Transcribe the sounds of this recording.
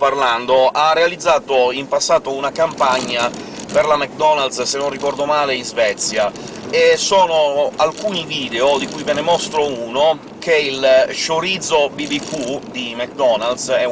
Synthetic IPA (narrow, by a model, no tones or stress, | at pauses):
parland̪oarːealid̪zːaːt̪oimpasːaːt̪ounakampaɲːa | perlamɛk̚d̪ɔnald̪ssenːonrikɔrd̪omaːleinzvɛt̪sːja | esoːnoalkuːniviːd̪eod̪ikujvenemɔst̪ɾouːno | keilʃoɾid̪zobibikʰud̪imak̚d̪ɔnald̪sɛ